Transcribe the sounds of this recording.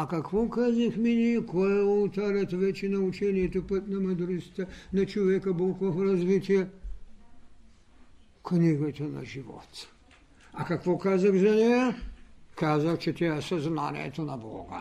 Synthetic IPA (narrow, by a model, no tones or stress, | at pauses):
akakʋɔkazaxminijɛkojɛult̪aɾat̪vɛt͡ʃinaut͡ʃɛnijɛt̪opət̪namad̪ɾuzi̥t̪ɛnat͡ʃovɛkabolˠkoɦoɾazvit̪ijɛ | kniɡat̪ana̰ʒivɔ̰t̪ | akakʋokazaxzanɛjakazaxt͡ʃɛt̪ɛasaznanɛ̰t̪onabɔ̰ɡa̰